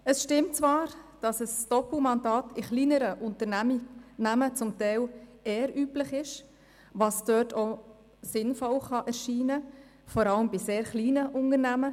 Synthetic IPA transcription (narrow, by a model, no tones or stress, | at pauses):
əsʃtɪmtt͡svɑːɾd̥ɑsəsd̥ɔpl̩mɑndɑːtɪχliːnəɾəʔʊntənæminæmət͡sʊmtɛɪleːɾʔyːplɪχɪʃ | vɑsd̥øːtʰo | sɪnfɔlχɑʔɛɾʃiːnə | fɔɾɑləmbiseːɾχliːnəʔʊnənæmə